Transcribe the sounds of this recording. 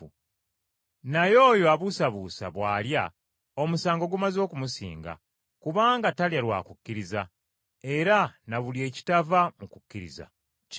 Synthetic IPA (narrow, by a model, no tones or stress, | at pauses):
najo̞ːjo̞aβusaβuːsa̰βwaːlja | o̞musaːŋɡo̞ɡumazo̞ːkumusḭːŋɡa̰ | kuβaːŋɡataljalwa̰ːkukːiɾiza | e̞ɾanaβulie̞ːci̥tavamukukːiɾḭza̰